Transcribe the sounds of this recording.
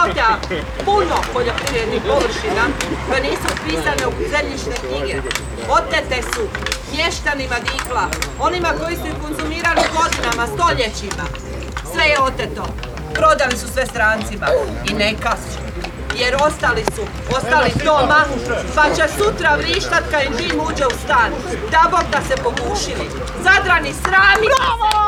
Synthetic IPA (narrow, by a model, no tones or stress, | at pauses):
ot̪a | puno̞po̞ʎo̞pɾiʋɾe̞d̪nixpo̞ʋr̩ʃinakaniːsupisaneukzemʎit͡ʃnekɲiɡe | o̞t̪et̪e̞su | mje̞ʃt̪animad̪iːklao̞nimako̞jisuuko̞nzumiːɾaliɡo̞d̪inamast̪o̞ʎe̞t͡ɕima | sʋe̞jeo̞t̪et̪o̞ | pɾo̞d̪alisusʋest̪ɾaːnt̪sima | ineka | je̞ɾo̞st̪alisu | ost̪alid̪omapat͡ɕe̞sut̪ɾaʋɾiːʃt̪at̪kaimd̪iːmuːd͡ʑeust̪aːn | d̪aboɾt̪ase̞po̞ɡuːʃili | zad̪ɾanisɾaːmi